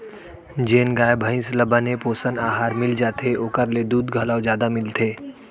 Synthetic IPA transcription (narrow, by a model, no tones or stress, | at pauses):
d͡ʒeːnɡaːjbʱə̃ɪ̃sləbanepoːsənaːɦaːɾmɪld͡ʒaːt̪eoːkəɾled̪uːd̪ɡʱɐlaːwzjaːd̪amɪlt̪ʰeː